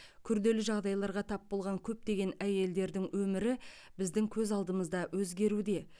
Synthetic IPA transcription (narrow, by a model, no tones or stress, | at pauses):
kʲʰʏɾd̪e̞lɪʒɑʁd̪ɑjlˠɑɾʁɑt̪ʰɑp̚bo̞lˠʁɑŋkʲʰɵp̚t̪e̞ɡʲe̞næje̞ld̪e̞ɾd̪ɪŋwɵmɪɾɪ | bɪzd̪ɪŋkʲʰɵzɑlˠd̪əməzd̪ɑwɵzɡʲe̞ɾud̪e̞